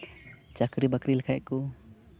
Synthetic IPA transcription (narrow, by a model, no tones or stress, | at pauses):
t͡ʃakɾibakɾilakʰajʔku